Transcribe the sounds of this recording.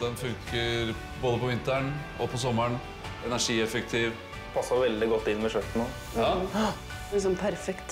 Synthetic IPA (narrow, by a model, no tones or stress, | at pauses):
d̪ɛnfʉŋkəɾ | boːd̪əpʰɔʋɪnt̪əɳ | ɔpʰɔs̬ɔmːəɳ | ɛnæʂiːɛfɛk̚t̪ʰiːʋ | pʰɑsːɑʋɛld̪ɪɡɔt̪ːɪnːmɛʃœt̪ːn̩o | ɑ | ɪs̬ɔmpʰæɾfɛkt̪